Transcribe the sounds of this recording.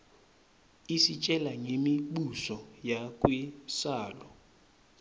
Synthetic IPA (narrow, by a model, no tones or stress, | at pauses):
isit͡ʃʼɛlaŋemiɓusɔjakʼwisaːlɔ